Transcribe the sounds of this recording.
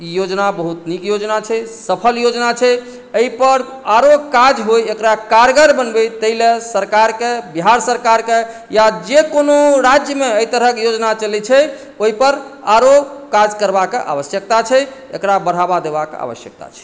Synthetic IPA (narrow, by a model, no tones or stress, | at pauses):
ijod͡ʒnabəɦut̪nikjod͡ʒnat͡ʃʰɛsəpʰəljod͡ʒnat͡ʃʰɛ | əipəɾ | aɾokad͡ʒɦojekɾakaɾɡəɾbənbɛt̪əilesəɾkaɾkebiɦaɾsəɾkaɾke | jad͡ʒekonoɾad͡ʒjəmeəjt̪əɾəkjod͡ʒnat͡ʃəlit͡ʃʰɛ | oɦipəɾaɾokad͡ʒkəɾbakeʔa̰βəsjək̚t̪at͡ʃʰɛḛkɾabəɽ̤ɦabad̪ebakḛa̰βə̰sjək̚t̪a̰t͡ʃʰɛ̥